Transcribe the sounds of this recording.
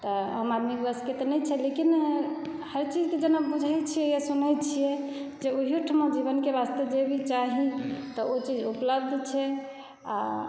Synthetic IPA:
t̪ɔə̰mad̪miɡbəsket̪nɛt͡ʃʰɛlekin | həɾt͡ʃid͡ʒked͡ʒənabud͡ʒʱajt͡ʃʰijɛjasunɛt͡ʃʰijɛd͡ʒeoɦiʈʰəməd͡ʒiβənkebast̪ed͡ʒebʱit͡ʃaɦit̪ɔot͡ʃid͡ʒupləbd̪ʱt͡ʃʰɛ | a̰

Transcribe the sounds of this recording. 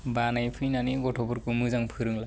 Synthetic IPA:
banajpʰɯjnaniɡɔtʰɔbuɾkɯmɯzaŋpʰɯɾɯŋla

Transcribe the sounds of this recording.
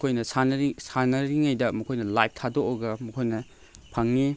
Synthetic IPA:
kʰojnɐsanɐsanɐɾiŋajdɐmɐkʰojnɐlajp̚tʰadokoɡɐmɐkʰojnɐ | pʰɐŋni

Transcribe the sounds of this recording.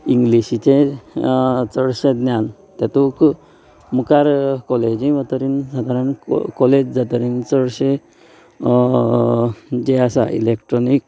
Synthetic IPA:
iŋɡliɕit͡ɕe | t͡səɽɕẽd̪njan | t̪jat̪uk | mukaɾkɔled͡ʑiʋət̪əɾinsad̪ʱaɾənkɔled͡ʑd͡zat̪əɾint͡səɽɕẽ | d͡ʑeasa̰ʔḭlekʈɾɔnik̚

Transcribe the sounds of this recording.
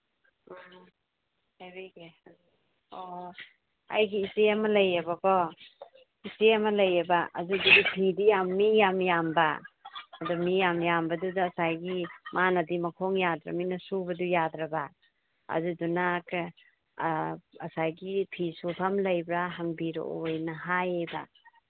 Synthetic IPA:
hajbeɡe | o | a̰jɡiːseɐmɐlɐjɐbɐkɔ | iseɐmɐlɐjɐbaʔɐ̰zududipʰidijamːijamjambaɐdumijamjambɐdudaːsajɡimanɐdimɐkʰoŋjadɾa̰minɐsubɐdujadɾaba | ɐ̰zudunak | ɐsajɡipʰisupʰamlɐjbɾaɦɐŋbiɾo̰ojnɐɦajejba

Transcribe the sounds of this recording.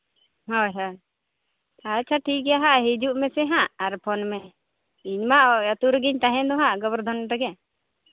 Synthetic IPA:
ɦɔjɦɔj | at͡ʃʰaʈʰik̚ɡɛjaɦaʔɦid͡ʒuʔmɛsɛɦãʔaɾpʰɔnmɛ | iɲmaʔət̪uɾəɡiɲt̪aɦɛ̃d̪ɔɦãʔɡɔbəɾd̪ʱɔnʈəɡɛ

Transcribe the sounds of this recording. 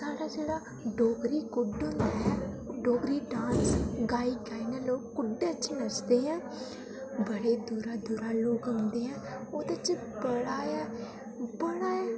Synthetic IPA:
saːɽaːd͡ʒeːɽa | ɖoːkɾiːkʊɖʊ̃nd̪aːɦɛ̃ː | ɖoːɡɾiːɖãːsɡaːiːɡaːinɛ̃ːloːɡkːʊɖeət͡ʃʃʰeːnəsd̪eːɦɛ̃ː | bəɽeːd̪uːɾaːd̪uɾaːloːɡəʊnd̪eːɦɛ̃ː | oːt̪ət͡ʃə | bəɽaːɛː | bəɽaːjɛː

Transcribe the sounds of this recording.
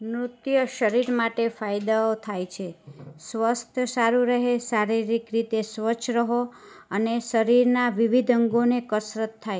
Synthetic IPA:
mɾʊt̪jəʃəɾiɾmaʈefajd̪aot̪ʰajt͡ʃʰesʋəst̪ʰəsaɾuɾəɦesaɾiɾikɾit̪esʋət͡ʃʰɾəɦo | əneʃəɾiɾnaʋiʋid̪ʱəŋɡonekəsɾət̪ʰːaj

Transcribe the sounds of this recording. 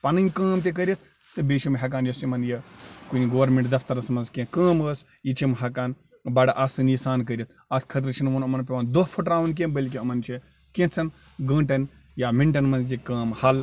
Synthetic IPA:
pɐnɐnʲkɐːmt̪ek̬əɾʲɐt̪̚ʰ | t̪ɨbeːʃimɦɐk̬aːnjɐsimɐnjɐkuniɡoːɾmeɳʈd̪ɐft̪ɐɾɐsmɐnzkẽkɐ̃ːməːs | jit͡ʃʰimɦɐkaːn | bɐɽɐʔasɨnisaːnkəɾʲit̪ʰɐt̪ʰkʰɐt̪ɾɨt͡ʃʰinmɐnɐmɐnpʲeʋaːnd̪opʰuʈɾaːʋɐnk̬ẽnbəlʲk̬ʲiɐmɐnt͡ʃʰi | kẽt͡sʰɐn | ɡɐ̃ːʈɐn | jamiɳʈɐnmɐnzjikɐːmhɐl

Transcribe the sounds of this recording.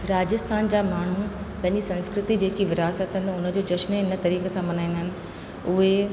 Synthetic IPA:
ɾaːd͡ʑɪst̪ʰaːnd͡ʑaːmaːɳ̤upɐ̃ɦɪ̃ɲd͡ʑisɐ̃nskɾɪt̪id͡ʑeːkiʋɪɾaːsət̪ɦɪ̃nd̪ʊnəd͡ʑod͡ʑɐʃnɪnə̆t̪ɐɾiːkesãmɐnaːĩnd̪ɦɪnɪ̆ | ʊɦe

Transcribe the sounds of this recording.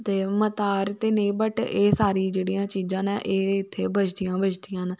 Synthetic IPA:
t̪eːmət̪aːɾt̪eːneːbəʈeːsaːɾiːd͡ʒeːɽijãːt͡ʃiːd͡ʒãːnɛʔeːɪt̪ʰːeːbət͡ʃʰd̪ijãːbət͡ʃd̪ijãːn

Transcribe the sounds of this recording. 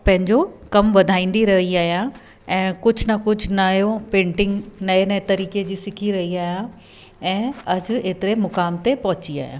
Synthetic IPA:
pɐ̃ɦɪ̃ɲd͡ʑokɐmʋɐd̪ʱaːĩːn̆d̪iɾɐɦiaːɦjãː | ɛ̃ːkʊd͡ʑʱnɐkʊd͡ʑʱnajopẽːɳʈɪ̃ŋɡnɐenɐet̪ɐɾiːked͡ʑiːsɪkʰiɾɐɦiaːijã | ɛ̃ːɐd͡ʑeːt̪ɪɾemʊkaːmt̪epɐɦʊt͡ɕia̰ːijã̰ː

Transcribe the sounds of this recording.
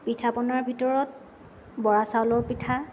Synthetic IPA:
pitʰapɔnaɹbʱitɔɹɔt̚ | bɔɹasalɔɹpitʰa

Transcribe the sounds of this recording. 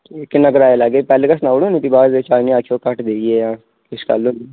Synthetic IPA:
ekːnəkɾaːjelaɡeːpɛːleːkasnaːɽõːnĩːt̪ibaːɾet͡ʃaːnĩaːkʰijoːkəʈd̪eːieːãː | ɪska̰lõː

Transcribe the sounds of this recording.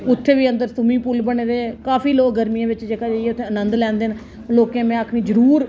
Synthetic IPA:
ʊt̪ʰːeːʋiːənd̪əɾsʊmĩːpʊlbəɳeːd̪eːkaːfiːloːkɡəɾmijãːʋɪt͡ʃd͡ʒeːkaːd͡ʒaiɛːʊt̪ʰːẽːənənd̪lɛ̃ːnd̪eːn | loːkjãːmɛ̃ːaːkʰñiːd͡ʒəɾuːɾ

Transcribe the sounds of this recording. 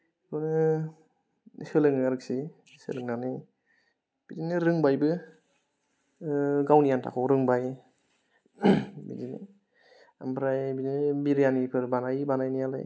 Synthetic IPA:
kʰɔnɯ | sɯlɯŋaɾɯksi | sɯ̰lɯŋnani | b̥idinɯɾɯŋbajbɯ | ɡawnijantʰa̰kʰɔwɾɯŋbaj | bḭdinḭ | a̰mbʰɾajbidinbiɾijanipʰɯɾbanajbanajnijala̰j

